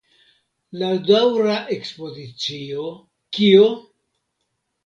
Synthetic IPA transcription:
ladawɾaʔe̞kspo̞zit͡sio | kio

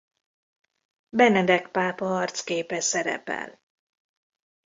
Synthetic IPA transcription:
bɛnɛd̪ɛkpaːpɒɦɒrt̪skeːpɛsɛɾɛ̰pɛ̰l

